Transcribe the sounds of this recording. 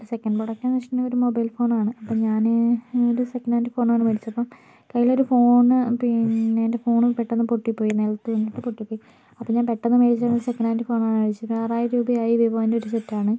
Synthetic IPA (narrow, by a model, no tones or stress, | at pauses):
sekːɐnɖboɽɐkːɐnɐʂʈɐnɐmo̞ɾumobɐjlfo̞ːnaːɳɨɐpːomɲaːnoɾusekːɐnaːndifo̞ːnaːɳɨmɐɽit͡ɕːɐpːɐm | kɐjːilo̞ɾufo̞ːɳɨpiende̞fo̞ːɳɨpeʈːenːɨpoʈːipːo̞ːjinelt̪ːuɐɲːiʈːɨpoʈːipːoːji | ɐpːomɲaːnpeʈːenːɨmeːɽit͡ɕːaɐnoɾusekːɐnaːndifo̞ːnaːɳɨmɐɽit͡ɕːuɐpːaːraːjɐɾuːbɐjaːjiʋibɐːindeo̞ɾusetːaːɳɨ